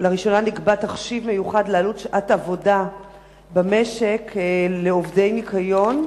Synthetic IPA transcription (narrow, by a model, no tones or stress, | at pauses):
laʁiʃo̞nanikbataχʃivme̞juχadlealutʃʔatavo̞da | bame̞ʃe̞kleovde̞jnikajo̞n